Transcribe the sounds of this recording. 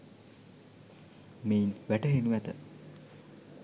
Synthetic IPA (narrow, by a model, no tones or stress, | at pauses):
meinʋæʈəɦenuʋæt̪ə